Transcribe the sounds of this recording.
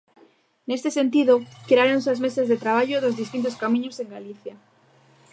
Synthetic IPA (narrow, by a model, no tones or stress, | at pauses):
nest̪esẽnt̪iðokɾaɾonsazmesazðet̪ɾaβ̞aʝoðozðist̪int̪̬oskamĩɲoseŋɡaliθja